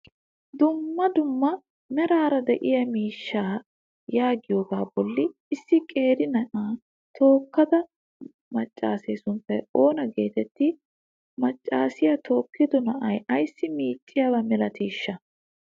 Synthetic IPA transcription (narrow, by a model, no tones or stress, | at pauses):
d̪ʊmːɐd̪ʊmːɐ | mɛɾaːɾɐd̪ɛʔɪjɐmiːʃːaː | jaːɡɪjo̞ːɡaːbɔlːɪ | ɪsːɪkʼe̞ːɾɪnɐʔaː | t̪ʰo̞ːkːɐd̪ɐ | mɐt͡ʃʼːaːseːsʊnpːɛjo̞ːnɐɡe̞ːt̪ɛt̪ːɪ | mɐt͡ʃʼːaːsɪjɐt̪ʰo̞ːkːɪd̪ɔnɐʔɐjɐjsːɪmiːt͡ʃʼːɪjabɐmɛlɐt̪iːʃːɐ